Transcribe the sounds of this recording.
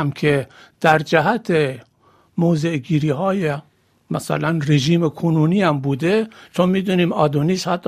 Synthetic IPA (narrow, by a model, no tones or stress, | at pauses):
mkʰed̪̥æɾd͡ʒæɦæt̪ʰe | mozeʔɡiːɾiːɦɒːje | mæsæ̰lænreʒiːmekʰonuːniːhæmbuːd̪et͡ʃʰonmiːd̪uniːmɒːd̪uniːshæt̪ː